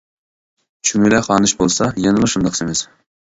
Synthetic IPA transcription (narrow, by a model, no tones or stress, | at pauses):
t͡ʃʰyŋylɛχɑːnɨʃbolˠsɑjɑnɨlˠɨʃund̪ɑqsemɪz̥